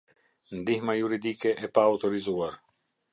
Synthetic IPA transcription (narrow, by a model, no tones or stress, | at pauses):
nd̪ihmajuɾid̪ikɛʔɛpaːut̪ɔɾizuaɾ